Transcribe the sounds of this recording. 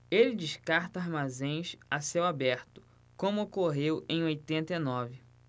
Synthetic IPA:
elɪd͡ʒɪʃkaɾt̪ɐaɾmazẽj̃sasewabɛɾt̪ʊ̥ | kõmʊokoɦewẽj̃ojt̪ẽnt̪enɔvɪ

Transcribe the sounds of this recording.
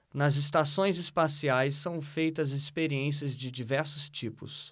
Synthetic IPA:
nɐzɪst̪asõj̃zɪspasiajsːɐ̃w̃fejt̪ɐzɪspeɾiẽs̬iɐzd͡ʒɪd͡ʒivɛɾsʊst͡ʃipʊ̰s

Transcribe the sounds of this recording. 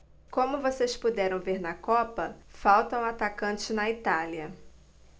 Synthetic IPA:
kõmʊvosespud̪ɛɾɐ̃w̃veɾnɐkɔpɐfawt̪ɐũat̪akɐ̃nt͡ʃɪnɐit̪aliɐ

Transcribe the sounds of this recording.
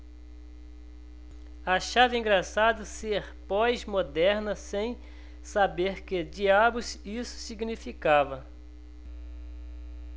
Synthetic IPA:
ɐʃavɪĩɡɾasad̪ʊseɾpɔjzmod̪ɛɾnɐsẽj̃ | sabeɾkɪd͡ʒiabʊzisʊ̥siɡnifikavɐ

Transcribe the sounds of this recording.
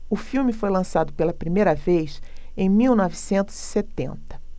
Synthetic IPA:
ʊfiwmɪfojlɐ̃sad̪ʊpelɐpɾimejɾɐvejsẽj̃miwnɔvisẽnt̪ʊz̥iset̪ḛ̃nt̪ɐ̥

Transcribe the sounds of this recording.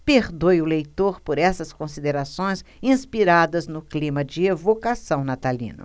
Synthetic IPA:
peɾd̪ojʊlejt̪oɾpoɾɛsɐskõsid̪eɾasõj̃sĩspiɾad̪ɐznʊklĩmɐd͡ʒɪevokasɐ̃w̃nat̪alḭ̃nʊ̰

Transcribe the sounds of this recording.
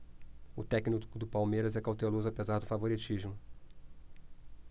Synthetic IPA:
ʊt̪ɛknikkʊd̪ʊpawmeɾɐzɛkawt̪elozʊapezaɾd̪ʊfavoɾit͡ʃiʒmʊ

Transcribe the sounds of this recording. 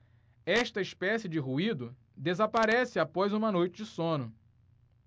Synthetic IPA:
ɛʃt̪ɐispɛsiɪd͡ʒɪɦuid̪ʊ | d̪ezapaɾɛsɪapɔjzũmɐnojt͡ʃɪd͡ʒɪsõnʊ

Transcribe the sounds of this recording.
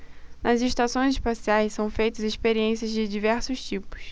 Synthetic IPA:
nɐziʃt̪asõj̃zɪʃpasiajssɐ̃w̃fejt̪ɐzɪʃpeɾiẽsiɐzd͡ʒɪd͡ʒivɛɾsʊʃt͡ʃipʊ̥s

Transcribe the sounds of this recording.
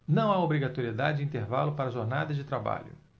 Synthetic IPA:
nɐ̃w̃aobɾiɡat̪oɾied̪ad͡ʒɪd͡ʒɪĩt̪eɾvalʊpaɾɐʒoɾnad̪ɐzd͡ʒɪt̪ɾaba̰ʎʊ̰

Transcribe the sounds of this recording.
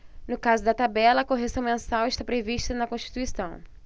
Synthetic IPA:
nʊkazʊd̪ɐt̪abɛlɐkoɦesɐ̃w̃mẽsawɪʃt̪apɾeviʃt̪ɐnɐkõʃt͡ʃi̥t̪uisɐ̃w̃

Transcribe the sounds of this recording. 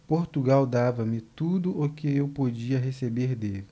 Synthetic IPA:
poɾt̪uɡawd̪avɐmɪt̪ud̪ʊʔʊkɪewpod͡ʒiɐɦesebeɾd̪elɪ

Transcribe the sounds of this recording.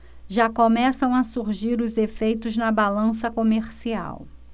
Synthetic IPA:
ʒakomɛsɐ̃w̃ɐsuɾʒiɾʊzefejt̪ʊznɐbalɐ̃sɐkomeɾsia̰w

